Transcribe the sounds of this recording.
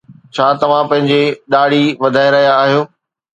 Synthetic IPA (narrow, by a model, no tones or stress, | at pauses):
t͡ɕʰaːt̪ɐʋ̤ãpɐ̃ɦɪ̃ɲd͡ʑeɗaːɽ̤iʋɐd̪ʱaːeɾɐɦijaːɦijoː